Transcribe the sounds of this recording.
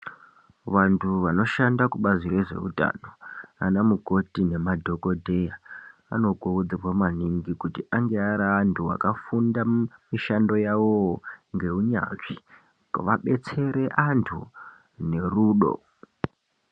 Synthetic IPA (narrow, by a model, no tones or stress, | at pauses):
ʋantʰuʋano̞ʃandakuɓazire̞ʐe̞̰ṵta̰ːno̞a̰namuɡʱo̞tine̞madʱo̞ko̞dʱe̞jaa̰no̞ɡʱuud͡zirwamaniŋɡikutiʔaŋɡe̞aɾaːntʰuwa̰kafundamiʃando̞jawoŋɡe̞uɲa̰nʐi | ʋaɓe̞t͡se̞ɾe̞ʔantʰṵ | ne̞ruːɗo̞̰